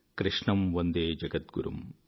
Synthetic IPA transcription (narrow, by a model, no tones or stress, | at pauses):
kɾɪʂɳɐmʋond̪eːd͡ʒɐɡɐt̪̚ɡṵɾṵm